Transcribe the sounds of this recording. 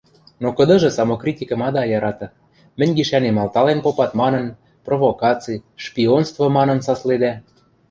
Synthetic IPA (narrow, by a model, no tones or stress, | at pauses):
nokɤ̆d̪ɤ̆ʒɤ̆sɑmokrʲitʲikɤ̆mɑd̪ɑjɑɾɑt̪ɤ̆ | mɘ̆nʲɡiʃænemɑlt̪ɑlenpopɑt̪mɑnɤ̆n | provokɑt͡sɨjʃpʲionst̪vŏmɑnɤ̆nsɑsled̪æ